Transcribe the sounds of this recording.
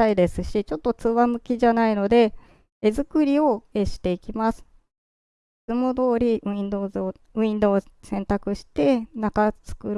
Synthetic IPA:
aid̪e̞sɨɕit͡ɕo̞t̪ːo̞t͡sɨβamɯ̟kʲiʑanaino̞d̪e̞ | ezɨkɯ̟ɾʲio̞eɕi̥t̪e̞ikʲimasɨ̥ | ɨmo̞d̪o̞ːɾʲi̟ĩnd̪o̞ːzo̟ | ĩnd̪o̞ːsẽ̞nt̪akɯ̟ɕi̥t̪e̞nakat͡sɨ̥kɯ̟ɾ

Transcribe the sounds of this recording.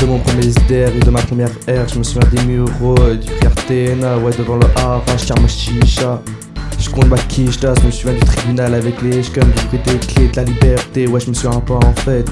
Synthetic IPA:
d̪̥əmɔ̃pχəmjɛzd̪ɛʁed̪əmapχəmjɛʁɛʁʒəməsuvjɛ̃d̪emyʁod̪ykaʁt̪ɛnwɛd̪əvɑ̃ləʔãfɛ̃ʒə̥t̪jɛ̃maʃiʃa | ʒ̥ə̥kɔ̃t̪makʲʰiʃt̪aʒəməsyvjɛ̃d̪yt̪χibynalavɛkleʃkɔmd̪ykit̪ekled̪əlalibɛʁt̪ewɛʒəməsɥiɛ̃paɑ̃fɛt̪

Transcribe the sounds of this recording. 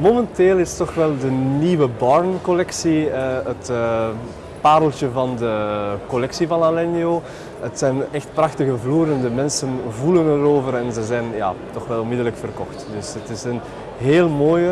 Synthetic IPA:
momɛnteːlˠɪstɔxʋɛlˠdəniːwəbɔɹnkolɛksiəətː | paːɾəlˠtəvɑndəkɔlɛksivɑnalɛnio | ətsɛjnɛxtprɑxtəɣəvluːɾəndəmɛnsənvulənəɾoːvəɾɛnzəzɛjnja̰ːtɔxʋɛlˠɔnmɪdələkfərkɔxtd̥ɵsətɪsən | ɦeːlˠmoːjə

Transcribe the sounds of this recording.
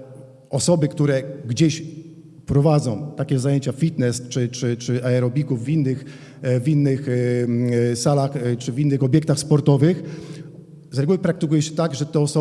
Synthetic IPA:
ɔsɔbɘkt̪uɾɛɡd͡ʑeɕ | pɾɔvad̪zɔ̃w̃t̪akʲɛzajeɲt͡ɕafʲit̪nɛst͡ʂɘt͡ʂɘt͡ʂɘʔɛɛɾɔbʲikuvːinːɘx | vʲinːɘx | salaxt͡ʂɘvʲinːɘxɔbʲjɛk̚t̪axspɔɾt̪ɔvɘx | zɾɛɡuwɘpɾak̚t̪ɘkujɛɕɛ̥t̪aɡʐɛt̪ɛɔsɔ

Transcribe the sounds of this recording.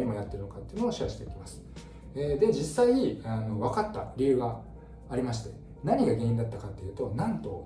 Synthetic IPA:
ɾimo̞jat̪ːe̞ɾɯ̟no̞kat̪ːeiɯnooːɕiβaɕi̥t̪e̞ikʲi̥masɨ̥ | ed̪e̞d͡ʑisːaiano̞βakat̪ːa̰ɾʲiɯ̟ɡaː | ɾʲimaɕ̬i̥t̪e̞ | naɲ̟iɡaɡẽ̞ĩnd̪at̪ːakat̪ːe̞jiɯ̟t̪o̞nãnt̪o̞̰

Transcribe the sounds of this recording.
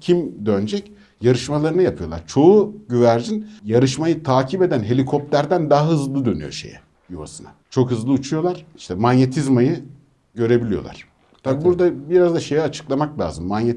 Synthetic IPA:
cʰimd̪ønd͡ʒɛc | jaɾɯʃmalˠaɾɯnɯjapʰɯjo̞lˠa̰ɾt͡ʃʰo̞uɟyvæɾd͡ʒinjaɾɯʃmajɯt̪ʰaːcʰibe̞d̪ænɦe̞lʲikʰo̞p̚t̪ʲæɾd̪ænd̪aɦaɦɯzlˠɯd̪ø̞ny̰jo̞̰ʃe̞̰jɛ̰ | juβa̰sɯnat͡ʃʰo̞khɯzlˠɯut͡ʃʰujo̞lˠaɾ̥i̥ʃt̪ʰɛmanjet̪ʰizmajɯ | ɟø̞ɾe̞bilʲijolˠa̰ɾ̥ | t̪ʰabibuɾd̪abiɾazd̪aʃe̞jɛat͡ʃʰɯ̥klˠamaklʲˠa̰ːzɯmːanje

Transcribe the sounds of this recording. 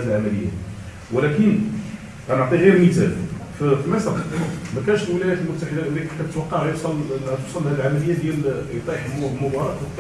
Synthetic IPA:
əlʕamæləjːa̰ | wlækən | ɣænəʕt̪ˤiɣiɾmizælffimæsɑq̪mækænʃəlwəlæjæt̪əlmʊt̪ːaħəd̪æʔæliħk̪ːæt̪wɑqːɑʕjosˤɑlt̪usˤɑlːhæd̪əlʕamæləjːad̪jæljt̪ˤiħmʊbɑɾˤɑət̪ː

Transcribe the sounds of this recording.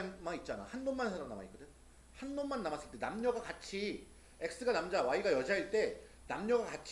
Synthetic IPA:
mait̚t͡ɕ͈ana̰hanmonmansʰaɾanama̰ik͈ɯde | hanːonmanːamas͈ɯɭt͈e̞namɲʌɡakat͡ɕʰi | e̞k̚s͈ɯɡanamd͡ʑawaiɡajʌd͡ʑaiɭt͈e̞ | namɲʌɡakat͡ɕʰ

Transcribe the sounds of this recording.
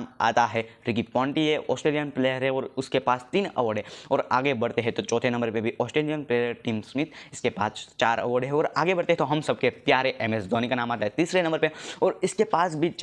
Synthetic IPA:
ma̰ːt̪aɦɛɾɪkipɔ̃ːɳʈiɦeʔɔ̰ːsʈɾeːlijənpleːjəɾɦɛɔːɾʊskepaːst̪iːnɐ̰ʋəɽɦɛ̃ɔːɾaːɡebɐɽt̪eɦɛ̃t̪ot͡ʃɔːt̪ʰenɐ̃mbəɾpebʱiʔɔːsʈɾeːlijənpleːjəɾʈiːmsmɪt̪ɪskepa̰ːst͡ʃaːɾɐ̰ʋəɖɦɛ̃ɔːɾaːɡebɐɽt̪eɦɛ̃t̪oɦɐmsɐb̚kepjaːɾeʔɛːmesd̪ʱɔːnikanaːmaːt̪aɦɛt̪iːsɾenɐ̃mbəɾpeɔːɾɪskepaːsbʱit͡ʃ

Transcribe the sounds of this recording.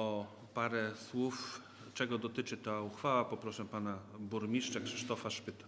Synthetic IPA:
ɔ | paɾɛswuf | t͡ʂɛɡɔd̪ɔt̪ɘt͡ʂɘt̪auxfawapɔpɾɔʂɛpanabuɾmʲiʂt͡ʂakʂɘ̥ʂt̪ɔfaʂpɘt̪a

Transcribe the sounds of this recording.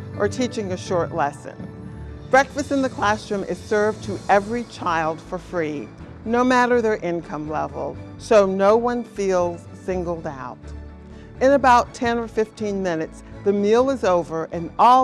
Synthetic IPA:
ʔə˞tʰit͡ʃɪ̃ŋɨʃɔɹʔˡlɛsɨ̰̃nb̥ɹɛkfɨstɨ̃nðɨkʰl̥æsɹʉ̃mɨ̰z̥sɜ˞vtʰɨʔɛvɹit͡ʃʰaɪlˠd̥fə˞fɹi | noʊmæɾə˞ðə˞ʔɪ̃nkʰʌ̃mlɛ̰v̰l̩ˠ | soʊnoʊwʌ̃nfilˠz̥sɪ̃ŋɡl̩ˠdaʊɾ | ɨ̃nɨbaʊtʰɛ̃nə˞fɪftʰĩnmɪ̃nɨtsðɨmilˠəzoʊvə˞ʔɨ̃nɔ

